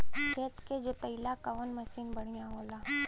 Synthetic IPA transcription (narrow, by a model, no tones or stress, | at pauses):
keːt̪ked͡ʒot̪ɐɪlakaoːnmɐsiːnbəɽ̤̃ijãɦoːlaː